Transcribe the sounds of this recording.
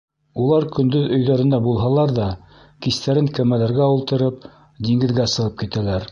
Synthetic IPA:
ulˠɑɾkɵ̆nd̪ɵðɵ̆jðæɾɘ̆nd̪ɑbulˠɦɑlˠɑɾðɑ | kist̪æɾɘŋkæmælæɾɡæulˠt̪ɤ̆ɾɤp̚ | d̪iŋɡɘ̆ðɡæsɤ̆ʁɤp̚kit̪ælæɾ

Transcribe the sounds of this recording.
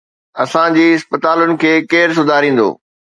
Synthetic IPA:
ɐsãd͡ʑiːɪspət̪aːlʊnɪ̆kʰeːkeːɾs̬ʊd̪ʱaːɾĩːn̆d̪o̰ː

